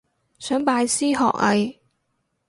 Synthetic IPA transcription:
sœː˨˥ŋpaː˧jsiː˥ɦɔ̰ː˨k̚ɐ˨˧j

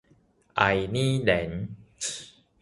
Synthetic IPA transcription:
ʔa̰˨jnĩ˦lɛ˨˦n

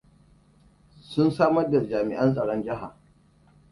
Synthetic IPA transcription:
sʊ˦nsaː˦mɐ˦rda˨d͡ʒaː˨mɪ̰˨ʔɐ˦nsʼɐ˨ɽɔ˦nd͡ʒɪ˦ɦa˨

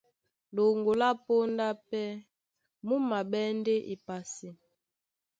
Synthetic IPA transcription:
lo˨ŋɡo˨la˦po˦nda˦pɛ˦ | mu˦ma˨ɓɛ˦nde˦ʔḭ˨pa˨si˨

